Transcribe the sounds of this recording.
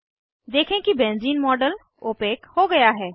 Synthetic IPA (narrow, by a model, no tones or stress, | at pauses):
d̪eːkʰẽkibẽːnziːnmɔːɖəl | oːpeːkhoɡɐjaɦɛː